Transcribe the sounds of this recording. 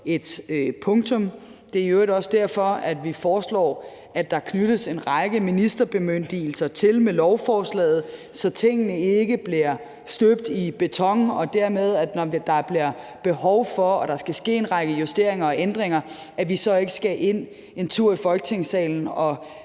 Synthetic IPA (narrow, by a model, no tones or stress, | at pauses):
e̝d̥pʰɔ̽ŋt͡sʰɔ̽m | d̥e̝ɐøɪɾ̥ɒ̽sd̥æɐ̰fɒ̽æd̥ʋifɒːslɒ̰ː | æd̥ɑ̈kʰnyɾ̥əse̝nʁɑ̈ɡ̥əminisd̥ɐb̥e̝møn̰d̥il̩sɐt͡sʰe̝lmelɒʊfɒːslɛ̰ːð̞̩ˠ | sɒ̽t͡sʰe̝ŋ̰ənəe̝ɡ̥əb̥liɐ | sd̥øb̥̚d̥ib̥e̝t͡sʰɒ̽ŋn̩ɒ̽d̥æɐ̰með̞ˠæd̥nɒd̥ɑ̈b̥liɐb̥e̝hɒʊfɒ̽ɒ̽ɾ̥ɑ̈sɡ̥æsɡ̥e̝̰ːenʁɑ̈ɡ̥əjusd̥e̝ɐ̰e̝ŋɐɒ̽ʔend̥ʁeŋɐ | ʔæʋisɒ̽e̝ɡ̥əsɡ̥æʔe̝n̰ | e̝nt͡sʰuɐ̰ifɒ̽lɡ̥ət͡sʰe̝ŋsɛ̰ːln̩ɒ̽